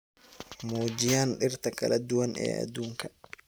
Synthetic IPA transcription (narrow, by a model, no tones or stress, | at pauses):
moːd͡ʒɪjaːnɗɪrt̪ʰɐkʰɐ̰lɐd̪ʊwɐnʔɛ̰ːʔɐ̰d̪uːŋkʰɐ̥